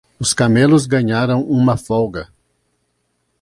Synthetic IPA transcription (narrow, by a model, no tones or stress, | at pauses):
ʊskamelʊzɡɐ̃ɲaɾɐ̃w̃ũmɐfɔwɡɐ